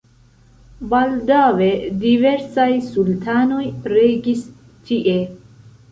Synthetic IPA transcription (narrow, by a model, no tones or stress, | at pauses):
bald̪awediveɾsajsult̪ʰaːnojɾeɡis | t͡ʃiʔe